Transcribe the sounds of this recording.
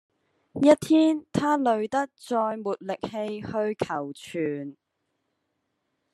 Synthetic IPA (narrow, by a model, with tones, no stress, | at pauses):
jɐ˥t̚t̪ʰiː˥nt̪ʰaː˥lɵ˨˧ɥt̪ɐ˥k̚t͡sɔː˧jmuː˨t̚lɪ˨k̚he˧jhɵ˧ɥkʰɐ˨˩wt͡ʃʰyː˨˩n